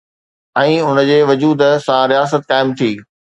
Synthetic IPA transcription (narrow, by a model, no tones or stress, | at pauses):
ɛ̃ːʊnəd͡ʑeːʋʊd͡ʑuːd̪sãɾijaːsət̪̚kaːɪmt̪ʰiː